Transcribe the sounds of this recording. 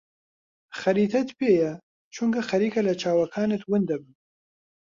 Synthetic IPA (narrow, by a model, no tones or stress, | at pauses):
xɐɾiːt̪ʰɐt̪pʰeːjɐ | t͡ʃʰuŋkʰɐxɐɾiːkʰɐlɐt͡ʃʰaːwɐkʰaːnɨt̪wʊnd̪ɐbɨn